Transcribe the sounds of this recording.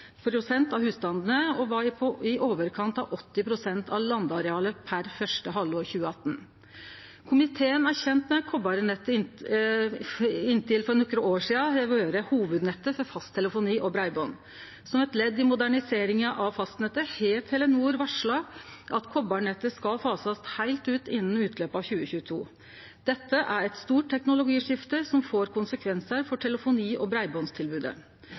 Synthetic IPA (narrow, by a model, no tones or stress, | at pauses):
pʰɾʊsɛnt̪ɑʋhʉːst̪ɑnd̪ənəɔʋɑɾpʰɔɪʔoːʋəɾkʰɑnt̪ɑʋʔɔt̪ːɪpʰɾʊsɛnt̪ʰɑʋlɑnd̪ɑɾɛɑːləpʰæɾfœʂʈəɦɑlːɔɾçʉːəɑt̪ːn̩ | kʰʊmɪt̪ʰeːənæɾçɛnt̪mɛkʰɔbɑɾənɛt̪ːəɪ | ɪnːt̪ɪlfɔɾnʊkːɾʊoːʂiːɑɛʋøːɾəhuːʋʉd̪nɛt̪ːəfɔɾfɑst̪ʰɛləfʊniːʔɔbɾɑɪbɔn | sɔmɛt̪lɛd̪ːɪmʊd̪æɳɪseːɾɪŋʔɑʋfɑst̪nɛt̪ːəheːt̪hɛlːənuːɾʋæʂɭɑʔɑt̪kʰɔbːɑɳɛt̪ːəskɑlfɑːsɑst̪hæɪlt̪ʉːt̪ɪnːn̩ʉːt̪ʰløːpəɑʋçʉːəçʉːət̪ʰuː | d̪̥ɛt̪ːəʔæɾɛt̪st̪uːʈ̚t̪ʰːɛknʊlʊɡiːʂɪft̪əsɔmfoːɾkʰʊnsəkʰʋɛnsəɾfɔʈʰɛləfʊniːʔɔbɾæɪboːnst̪ʰɪlbʉːd̪ə̰